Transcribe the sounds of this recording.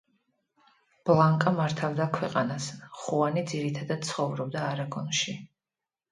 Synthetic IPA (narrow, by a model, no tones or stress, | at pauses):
b̥lˠaŋkʼamaɾt̪ʰavd̪akʰwɛqʼanasχuanid̪ziɾit̪ʰad̪ad̪̥̚t̪sʰχɔvɾɔb̚d̪aːɾaɡɔnʃi